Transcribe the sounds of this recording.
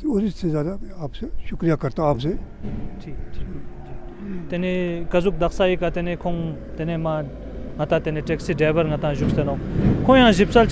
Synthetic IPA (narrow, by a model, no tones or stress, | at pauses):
oɾit̪sezjaːd̪aapseʃʊkɾijakɐɾt̪ãapse | i | t̪enekazuk̚d̪aχsajikːat̪enekʰoŋt̪enema | ŋat̪at̪eneʈɛk̚siɖ͡ʐebəɾŋat̪ãŋʑuk̚senoŋkʰoŋjaŋʑip̚sal